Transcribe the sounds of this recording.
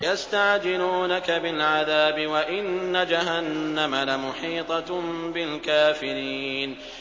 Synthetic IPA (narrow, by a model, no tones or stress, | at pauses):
jast̪aʕd͡ʒɪluːnakabɪlʕaðaːbɪwaʔɪnːad͡ʒaɦanːamalamʊħiːt̪ˤɑbɪlkaːfɪɾiːn